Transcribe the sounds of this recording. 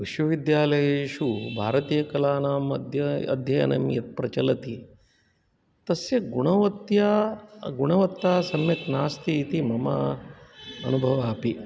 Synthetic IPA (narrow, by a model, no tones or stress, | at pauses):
ʋiʃʋɐʋid̪jaːlɐjeːʃubʱa̰ːɾɐt̪iːjɐkɐlaːnaːmɐd̪ʱjɐɐ̰d̪ʱjɐjɐ̰nɐ̰mjɐt̪̚pɾɐt͡ʃɐlɐt̪i | t̪ɐsjɐɡuɳɐʋɐt̪jaːɡuɳ̃ɐʋɐt̪ːaːsɐmjɐk̪naːst̪iːt̪imɐma̰ | ɐnubʱɐʋaːpi